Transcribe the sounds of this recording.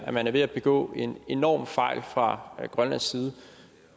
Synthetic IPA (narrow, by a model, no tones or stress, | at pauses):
æmænæɐʋe̝æb̥e̝ɡ̥ɔ̰̽ːe̝ne̝nɒ̰ːmfɑ̈ɪ̰lfʁɑ̈ɡ̥ʁɶnlænsːiːð̞ˠə